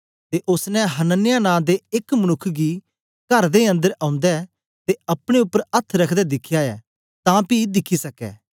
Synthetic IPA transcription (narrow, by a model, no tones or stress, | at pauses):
t̪eʔʊsnɛ̃ɦɐnənːɪjanãːd̪eɪkmənʊkʰːɡi | kɐɾd̪eɐ̃nd̪əɾãːʊ̃nd̪ɛ | t̪eɐpɽ̃eʊpːəɾɐt̪ʰɾɐkʰd̪ɛd̪ɪkʰːjaɛː | t̪ãːpid̪ɪkʰːisɐkɛ̰ː